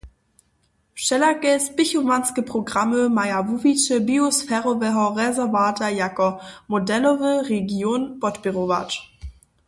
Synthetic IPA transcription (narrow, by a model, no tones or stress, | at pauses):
ʃɛlakɛspɪçovanskəpʁ̥oɡʁaməmajavuvit͡ʃəbiosfɛːʁɔvɛɦɔʁɛzɛvaːtɐjakɔmodɛlɔvəʁeɡjoːnpɔtb̥iʁova̰t͡ʃ